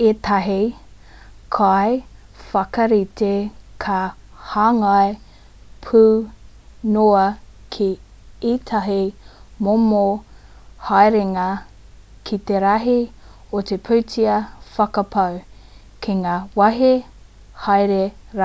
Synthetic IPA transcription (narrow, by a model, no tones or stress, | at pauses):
et̪ʰɐɦi | kʰaj | fɐkɐɾit̪ekʰɐ | haːŋae | pʰu | noɐkʰi | it̪ʰɐɦimomo | hajɾeŋɐ | kʰit̪eɾɐɦiot̪epʰuwtʰiɐfɐkɐpʰɐw | kʰeŋaːwɐɦe | hajɾeɾa